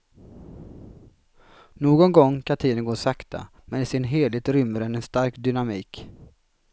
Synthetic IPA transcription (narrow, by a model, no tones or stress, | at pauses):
noːɡɔnɡɔŋːkʰat̪ʰiːd̪ənɡoːsakt̪a̰ | mɛnɪsɪnɦeːlɪɡ̚t̪ɾʏmːəɾɛnɛnst̪aɾkd̪ʏnamiːk